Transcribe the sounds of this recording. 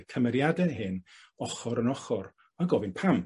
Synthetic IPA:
kʰəmɛɾjadɛɦɨn | ɔχɔɾənɔχɔɾ | aɡɔvɨnpʰam

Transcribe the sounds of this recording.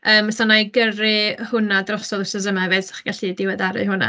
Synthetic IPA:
əːmsɔnajɡərɨhʊnadrɔsɔlˠɪsəzəmavɛsḁχɡ̥aɬidɪwɛdaɾɨ̰hʊna̰

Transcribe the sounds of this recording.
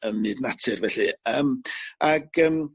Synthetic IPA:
əmnɨːdnatʰɨrvɛɬɨəːmaɡ̥əːm

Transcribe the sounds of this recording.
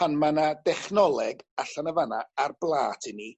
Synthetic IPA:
anmanadɛχnɔlˠɛɡaɬanəvana̰arblˠaːtʰɪni

